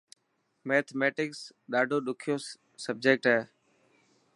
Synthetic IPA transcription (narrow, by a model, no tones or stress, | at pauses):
meːt̪ʰmeːʈɪksɗaːɖʱoːɗʊkʰijoː | səb̚d͡ʒeːk̚ʈɦeː